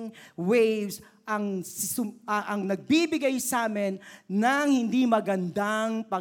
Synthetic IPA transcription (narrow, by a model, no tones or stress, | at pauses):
ŋwejvs | ʔɐŋsʊʔɐŋnɐɡ̚bibɪɡajsaːmɪnːɐŋhɪnd̪imɐɡɐnd̪aŋpɐ